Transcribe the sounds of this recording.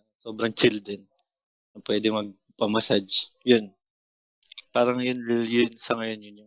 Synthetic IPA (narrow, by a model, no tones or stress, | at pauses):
ɐnso̞ːbɾɐŋt͡ʃɪld̪ɾɛn | nɐpwɛːd̪ɛŋmɐɡ̚ | pɐmɐsad͡ʒjʊn | paːɾɐŋjʊnjʊnsɐŋɐjo̞njʊnjʊ